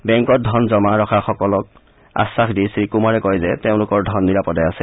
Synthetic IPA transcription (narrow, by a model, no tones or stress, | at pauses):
bɛŋkɔt̚dʱɔnzɔmaɹɔxʰaxɔkɔlɔk̚ | a̰sːaxdisɹikumaɹɛkɔjzɛteʊ̃lʊkɔɹdʱɔnːiɹapɔdajasɛ